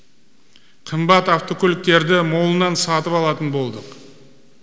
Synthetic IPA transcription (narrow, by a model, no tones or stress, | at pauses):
qʰəmbɑt̪ɑft̪o̞kʲʰolɪk̚t̪e̞ɾd̪ɪmo̞lˠənɑnsɑt̪əpɑlˠɑt̪ənbo̞lˠd̪əq